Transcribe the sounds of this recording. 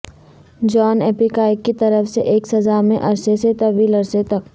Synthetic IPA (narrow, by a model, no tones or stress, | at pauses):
d͡ʒɔːneːpikaːɪkːit̪ɐɾəfseʔeːksɐzamḛ̃ʔɐɾseset̪ɐʋiːlɐɾset̪ɐk